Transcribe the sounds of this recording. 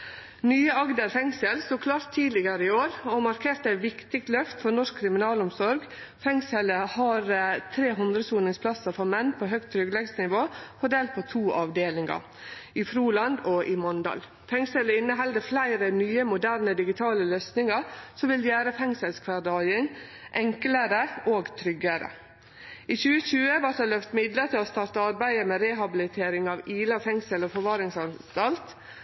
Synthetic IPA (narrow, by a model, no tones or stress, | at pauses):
nyːəɑɡd̪əɾfɛŋsəlst̪uːkʰlɑːɾt̪ʰːiːdlɪɡəɾəɪoːɾɔmɑɾkʰeːɾt̪əæɪʋɪkt̪ɪk̚t̪lœft̪fɔɾnɔʂk̚kʰɾɪmɪnɑːlɔmsɔɾɡ | fɛŋsɛləhɑɾt̪ʰɾeːɦʉnd̪ɾəsuːnɪŋspʰlɑsəfɔɾmɛnpʰoɦœk̚t̪ʰːɾʏɡlɛɡsnɪʋoːfɔɖ̪eːl̚pʰɔt̪ʰuːʔɑʋd̪eːlɪŋɑ̰ | ɪfɾuːlɑnd̪ɔʔɪmɔnd̪ɑ̰l | fɛŋsələɪnːəɦɛld̪əflæɪɾənyːəmʊd̪æɾnəd̪ɪɡɪt̪ʰɑːləløsnɪŋɑɾsɔʋɪljæːɾəfɛŋsəlskʰʋɑdɑɪŋ | ʔɛŋkləɾəʔoːɡt̪ʰɾʏɡəɾə̰ | iːçʉːəçʉːəʋæɾt̪hɑlœft̪mɪd̪ləɾt̪ɪlɔst̪ɑɾt̪əɑɾbæɪəmɛːɾɛːɦɑbɪlɪt̪ʰeːɾɪŋɑʋiːlɑfɛŋsəlɔfɔɾʋɑːɾɪŋsɑnst̪ɑlt̪